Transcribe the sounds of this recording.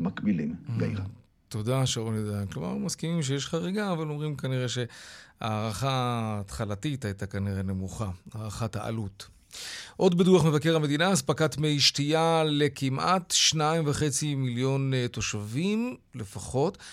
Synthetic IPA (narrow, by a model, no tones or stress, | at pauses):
makbilimɡaj | to̞daʃeonedankloma̰ʁmaskimimʃ̬ejeʃχaʁeɡaːvalo̞mʁimkaniʁe̞ʃe̞a̰ːʁaχaːt̪χalatitajtakaniʁene̞muχaaːʁaχataʔa̰lut | ʔo̞dbeduaχme̞vakeʁame̞d̪inaaspakatmejiʃtijale̞kimʔatʃnaimvaχe̞t͡similjo̞nto̞ʃavimle̞faχo̞t